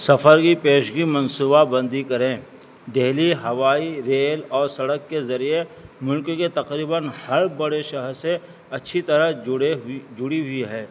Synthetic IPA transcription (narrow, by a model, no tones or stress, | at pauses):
sɐfʰəɾkipeːʃɡimɐ̃nsuːbabɐ̃nd̪ikɐɾẽː | d̪eɦliɦɐʋaːiɾeːlɔːɾsɐɽəkːezɐɾiemʊlkket̪ɐqɾiːbənhɐɾbɐɽeʃɐɦəɾse | ɐtːʃʰit̪ɐɾə | d͡ʒʊɽiɦʊiɦɛː